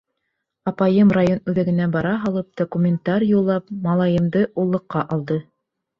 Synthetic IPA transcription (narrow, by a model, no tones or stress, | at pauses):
ɑpɑjɤmrajonʉðæɡɘ̆næbɑɾɑɦɑlˠɤp̚d̪̥okumʲɪnt̪ɑɾʲjulˠːɑpmɑlˠɑjɤ̆md̪ɤʔulˠːɤ̆qːɑʔɑlˠd̪ɤ